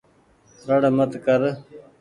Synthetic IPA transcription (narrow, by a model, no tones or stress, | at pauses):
ɾəɽmət̪kəɾ